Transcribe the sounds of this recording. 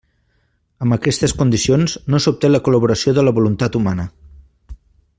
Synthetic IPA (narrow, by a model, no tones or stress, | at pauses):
əmbəkɛst̪əskund̪isionznosup̚t̪eləkuləβuɾəsioðələβulunt̪at̪umanə